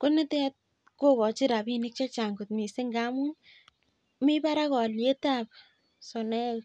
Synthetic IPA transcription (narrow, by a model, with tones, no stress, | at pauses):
ko˦ne˦tɛ˦t̚ | ko˦kɔ˨t͡ʃɪ˦ɾa˨bi˦nɪ˦k̚t͡ʃa˦t͡ʃa˨ŋɡu˨tmi˨se˦ŋɡa˦mu˦n | mi˦pa˦ɾa˦kɔ˨lje˦ta˦p | sɔ˨nɛ˦